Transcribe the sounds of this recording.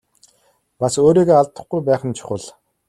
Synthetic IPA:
pasoːɾiːɣeːaɮt̪ə̆χɡujpæːχə̆nt͡ɕʰʊ̥χə̆ɮ

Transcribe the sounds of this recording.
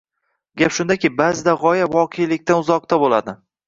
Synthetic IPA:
ɡʲapʃʊnd̪akʲɪbazɪd̪aʁɒjavɒqʰejlɪkʲt̪anʊzɒq̚t̪abolad̪ɪ

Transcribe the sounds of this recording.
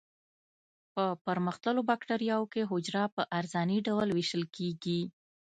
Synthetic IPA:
pəpəɾməxt̪əlobakʈaɾijɑwokeɦʊd͡ʒɾɑpəʔaɾzɑniɖawlwiʃəlkeɡi

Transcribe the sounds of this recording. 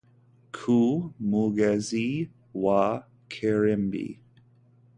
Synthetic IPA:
kʰumuɡɛzi | wa | kʰeɹɛmbḭ

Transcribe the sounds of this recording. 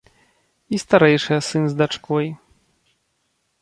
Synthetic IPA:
ist̪aɾɛjʂɨjɐsɨnzd̪at͡ʂkɔj

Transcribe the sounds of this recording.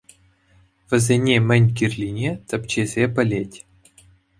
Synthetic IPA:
ʋʲɘ̆zʲenʲemʲɘ̆nʲkʲirʲlʲinʲet͡sʲɘ̆pʲt͡ɕezʲepʲɘ̆lʲetʲ

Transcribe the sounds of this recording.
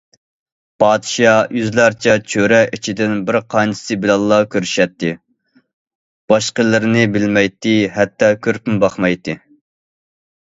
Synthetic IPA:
pʰɑːd̪ʃɑjyzlæɾt͡ʃʰɛt͡ʃʰøɾɛʔit͡ʃʰid̪ɪnbɪɾqʰɑnt͡ʃʰɪ̥sɨbɪlɑlˠːɑkʲʰøɾyʃɛt̪ːɪ | b̥ɑʃqəlˠɨɾnɪbɪlmɛjt̪ːɪɦɛt̪ːɑkʲʰøɾpymbɑχmɑjt̪ɪ

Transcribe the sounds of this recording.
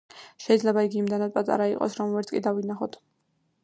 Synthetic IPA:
ʃɛid̪zlɛbaiɡiːmd̪ɛnad̪̚pʼat̪ʼa̰ɾaiqʼɔ̰sɾɔmvɛɾt̪sʰkʼid̪avinaχɔt̪ʰ

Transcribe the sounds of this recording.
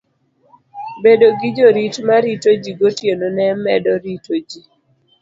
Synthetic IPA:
bedoɡid͡ʒoɾitmaɾitod͡ʒiɡotjenonɛmɛdɔɾitod͡ʒi

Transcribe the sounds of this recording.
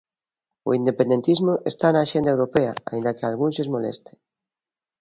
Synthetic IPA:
o̰ind̪epend̪ent̪izmoʔest̪anaːʃend̪aewɾopeaa̰ĩnd̪akealɣũnzezmolḛst̪e̥

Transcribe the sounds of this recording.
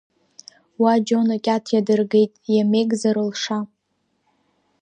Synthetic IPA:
wad͡ʒonakʲʼatʰjadɨrɡejtʼjame̞ɡʼzaɾɨlʂa

